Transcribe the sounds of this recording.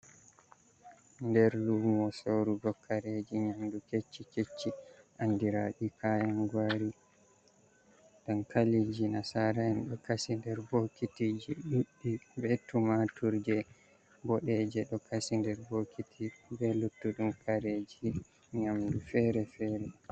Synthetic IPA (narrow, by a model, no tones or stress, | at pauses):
ndɛɾlumɔsoɾuɡɔkʰaɾed͡ʒiɲamduket͡ʃːiket͡ʃːiʔandiɾaɗikʰajanɡwaɾi | dankalid͡ʒinasaɾaɛnɗɔkasindɛɾbokitid͡ʒiɗuɗːibɛtumatuɾd͡ʒɛ | bɔɗɛd͡ʒɛɗɔkʰasindɛɾbokitʰibɛlutːuɗumkʰaɾed͡ʒi | ɲamdufɛɾɛfɛɾɛ